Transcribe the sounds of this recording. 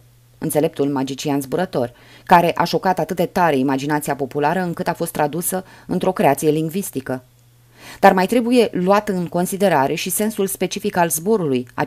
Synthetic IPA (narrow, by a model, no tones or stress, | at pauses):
ɨnt̪se̞le̞p̚t̪ulmad͡ʒit͡ʃianzbuɾət̪o̞r | kaɾe̞ʔaʃo̞kat̪at̪ɨt̪̚d̪e̞t̪aɾe̞imad͡ʒinat̪sijapo̞pulaɾəɨŋkɨt̪afo̞st̪ːɾad̪usəɨnt̪ɾo̞kɾe̞at̪sije̞liŋɡvist̪ikə | d̪armajt̪ɾe̞buje̞luat̪ɨŋko̞nsid̪e̞ɾaɾʔe̞ʃise̞nsulspe̞t͡ʃifikalzbo̞ɾuluja̰